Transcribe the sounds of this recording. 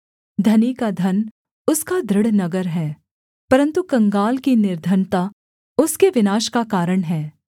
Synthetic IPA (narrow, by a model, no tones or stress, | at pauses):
d̪ʱɐnikad̪ʱɐn | ʊskad̪ʱɾɪɽnɐɡəɾɦɛː | pɐɾə̃nt̪ukɐ̃ŋɡaːlkinɪɾd̪ʱənt̪a | ʊskeʋɪnaːʃkakaːɾəɽ̃ɦɛː